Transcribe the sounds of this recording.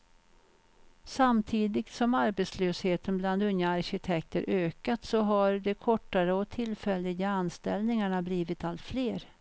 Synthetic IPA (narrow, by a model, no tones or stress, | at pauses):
samt̪ʰiːd̪ɪɡt̪sɔmaɾbɛt̪sløːsheːt̪ənbland̪ɵnjaaɾɕɪt̪ʰɛk̚t̪əɾʔøːkat̪sɔɦaɾd̪ɛkʰɔʈːaɾəɔt̪ʰɪlfɛlːɪɡaanst̪ɛlnɪŋaɳabliːvɪt̪alt̪fleːɾ